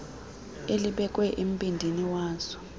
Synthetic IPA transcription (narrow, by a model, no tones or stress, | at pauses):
eliɓɛk̬ʼwɛʔem̩pʼindʱiniwaːz̥ɔ̥